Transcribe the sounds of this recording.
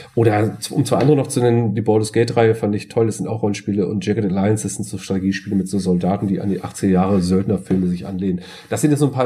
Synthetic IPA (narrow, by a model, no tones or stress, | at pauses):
ʔoːɾɐt͡sʊ̰mt͡sv̥aɪandəʁənɔχt͡sunɛnəndiːbɔːlʊsɡ̥ɛɪtʁaɪəfandəɪɪçtʰɔlɛsz̥ɪntaʊχʁ̥ɔlənʃpiːləʔʊ̰ntd͡ʒ̥ɛkətɛtlaɪənsɛsz̥ɪntz̥oːtʁ̥ateɡiːʃpiːləmɪtz̥oːzɔldaːtn̩diːʔa̰ndiːʔa̰χt͡sɪɡɐjaːʁəzœltnɐfɪlməzɪçʔa̰nleːnən | d̥asz̥ɪntjɛszoːnpʰaː